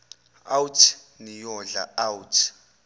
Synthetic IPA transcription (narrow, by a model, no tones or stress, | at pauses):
awtʰ | nijɔɮa̰awtʰ